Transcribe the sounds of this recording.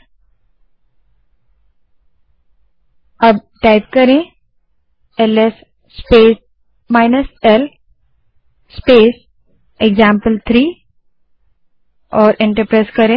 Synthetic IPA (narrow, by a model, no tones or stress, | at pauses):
əb̚ʈaɪpkəɾẽ | eles | speːs | maɪnəsel | speːs | eɡzãmpəlt̪ʰɾiː | ɔːɾʔẽɳʈəɾpɾaːskəɾẽ